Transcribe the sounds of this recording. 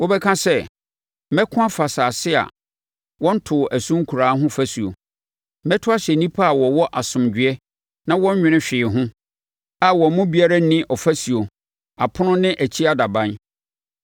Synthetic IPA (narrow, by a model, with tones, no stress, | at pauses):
wo˦bɛ˦kʰã˦sɛ˦ | mɛ˦kʰʊ̃˦a˦fa˨saː˨sɪ˦a̰˨ | wɔ̃˦n̩˦tʰʊ˨ʔæ˨sũ˦ŋ̩˦kʰu˨ɾaː˨˦ɦʊ̃˦fæ˦su˨o̰˨˦ | mɛ˦tʰʊ˦a˦ɕɛ˨nĩ˦pʰa˦a˨wɔ˨wɔ˦ʔa˨sʊ̃˨md͡ʑᶣɪ˦ɛ˦ | nã˦wɔ̃˦ɲ˦ɲᶣɪ̃˨nɪ̃˦ɕᶣɪː˨ɦʊ̃˦ | a˨wɔ̃˨mʊ̃˦bi˨˦a˦ɾa˦nɪ̃˦ʔɔ˨fæ˦su˨o˨ | a˨pʰʊ˦nʊ̃˦nɪ̃˦ʔæ˨t͡ɕʰi˦a˦da˨bã˦n